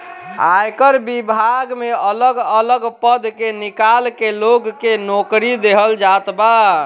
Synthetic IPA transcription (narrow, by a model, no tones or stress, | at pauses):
ajkəɾbibʱaɡmeələɡələɡpəd̪ʱkenikalkeloɡkenokɾid̪eɦəld͡ʒat̪ba